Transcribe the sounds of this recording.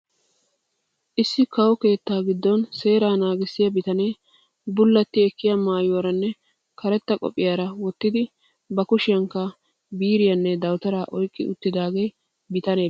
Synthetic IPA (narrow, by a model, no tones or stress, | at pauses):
ʔɪsːɪkɐwɔke̞ːt̪ːaːɡɪd̪ːɔnse̞ːɾaːnaːɡɪsːɪjɐbɪt̪ɐneː | bʊlːɐt̪ːɪɛkːɪjɐmaːjowɾɐnːɛ | kɐɾɛt̪ːɐkʼɔ̰pʼːɪjaːɾɐwɔt̪ːɪd̪ɪ | bɐkʊʃɪjɐŋkːɐ | biːɾɪjɐnːɛd̪ɐwt̪ɐɾaːʔɔjkʼːɪʔʊt̪ːɪd̪aːɡej | bɪt̪ɐneː